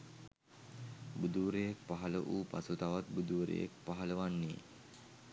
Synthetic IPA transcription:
bud̪uʋɾejek̚paɦɐləʔuːpasut̪aʋat̪̚bud̪uʋɾḛjḛk̚paɦɐləʋanːiː

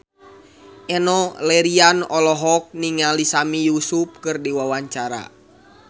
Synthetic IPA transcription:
ʔɛnɔlɛɾianɔlɔɦɔk̚niŋalisamijusup̚kɨrdiwawaɲt͡ʃaɾa̰

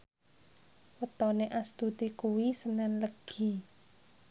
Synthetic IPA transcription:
wət̪ɔneʔast̪ud̪ikuwisənanləɡ̥i

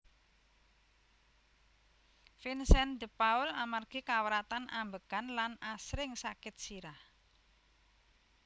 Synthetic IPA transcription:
finsɛnd̪əpaʊlamarɡ̥ikawəɾat̪anʔambəkanlanasɾɪŋsakɪt̪̚siɾah

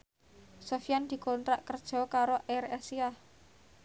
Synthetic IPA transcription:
sofijand̪̥i̤kɔnt̪ɾaʔkərd̥ʒ̥ɔ̤kaɾoʔɛrɛsiah

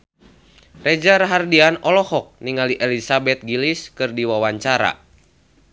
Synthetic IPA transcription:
red͡ʒaɾaɦardianɔlɔhɔk̚niŋaliʔɛlisabɛt̪̚ɡiliskɨrdiwawaɲt͡ʃaɾa̰

